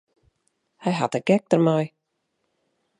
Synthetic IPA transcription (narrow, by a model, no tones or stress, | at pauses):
hɛjɦa̰təɡ̥ɛk̚tərmaj